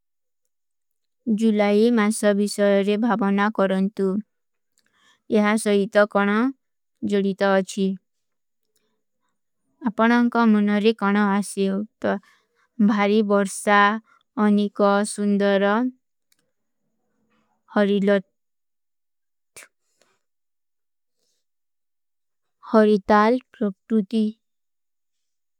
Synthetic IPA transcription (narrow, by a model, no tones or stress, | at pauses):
d͡ʒulaimasɔbisɔjɔɾebʱabɔnakɔɾɔnt̪u | eɦasɔɦit̪ɔkɔɽ̃ɔ | d͡ʒoɽit̪ɔːt͡ʃʰi | apɔɽ̃ɔŋkɔmunɔɾekɔɽ̃ɔasiwt̪ɔ | bʱaɾibɔɾsa | ɔnekɔsund̪ɔɾɔ | hɔɾilɔ | hɔɾit̪alpɾɔkɾut̪i